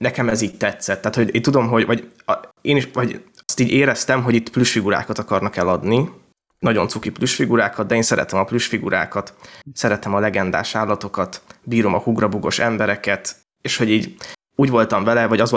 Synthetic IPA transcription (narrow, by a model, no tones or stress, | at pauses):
nɛkɛmɛziːɟ̚t̪ɛt̪sɛt̪ːaːt̪ho̞ɟeːnt̪ud̪o̞mɦo̞ɟvɒɟeːniʃvɒɟɒst̪iːɟeːɾɛst̪ɛmɦo̞ɟit̪pluʃfiɡuɾa̰ːkɒt̪ɒkɒrnɒkɛlɒd̪ni | nɒɟo̞nsukipluʃfiɡuɾaːkɒd̪̚d̪ɛeːnsɛɾɛ̰t̪ɛmɒpluʃfiɡṵɾʔa̰ːkɒt̪sɛɾɛt̪ɛmɒlɛɡɛnd̪a̰ːʃaːlːɒt̪o̞kɒt̪biːɾo̞mɒhuɡrɒbuɡo̞̰ʃɛmbɛɾɛkɛt̪ | eːʃho̞ɟiːɟ | uːɟvo̞lt̪ɒɱvɛlɛvɒɟɒzʋo